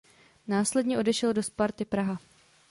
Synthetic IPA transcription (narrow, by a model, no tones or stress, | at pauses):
naːslɛdɲɛʔo̞dɛʃɛldo̞spaɾt̪ɪpɾaɦa